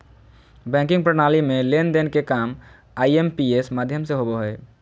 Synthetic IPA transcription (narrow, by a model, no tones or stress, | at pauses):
bɛ̃kĩŋɡpɾənalimelend̪enkekam | aiempiesmad̪ʱjəmseɦoboɦoj